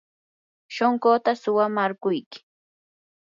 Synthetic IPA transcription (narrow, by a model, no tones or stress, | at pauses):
ʃoŋɢot̪asʊwamaɾɢʊjkɪ̥